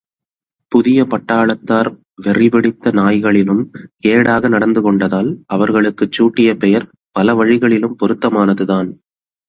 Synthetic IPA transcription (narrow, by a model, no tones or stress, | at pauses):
pʊðɪjɐpɐʈːaːɭɐt̪ːaːɾ | ʋɛrɪʋɪɽɪt̪ːɐnaːjɣɐɭɪlɯmkeːɽaːɣɐnɐɽɐnd̪ɯkɔɳɖɐðaːlʔɐʋɐɾɣɐɭɯkːɯt͡ʃːuːʈːɪjɐpɛjɐɾ | pɐlɐʋɐɻɪɣɐɭɪlɯmpɔɾɯt̪ːɐmaːnɐðɯðaːn